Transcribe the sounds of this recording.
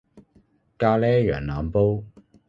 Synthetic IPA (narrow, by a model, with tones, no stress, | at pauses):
kaː˧lɛː˥jœ̰ː˨˩ŋnaː˨mpo˥w